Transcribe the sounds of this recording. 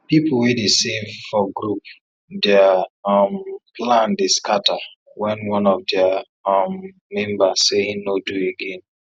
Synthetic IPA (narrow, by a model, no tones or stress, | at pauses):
pipl̩wedesẽɱfɔɡɾup | dɛamplãndeskʰata | wɛ̃nwɔ̃nɔfdɛa | mː | ɛ̃mbasseĩŋnodueɡẽn